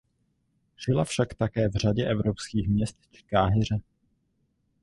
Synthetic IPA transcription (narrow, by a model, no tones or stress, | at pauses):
ʒ̥ɪlafʃakt̪akɛːvr̝aɟɛʔɛvɾopskiːxmɲɛst̪t͡ʃɛ̥kaːɦɪr̝ɛ